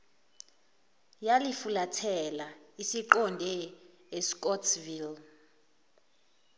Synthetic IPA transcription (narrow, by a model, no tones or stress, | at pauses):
jalifulatʰɛlaisiǃɔndʱɛ | eskʼɔtʰvil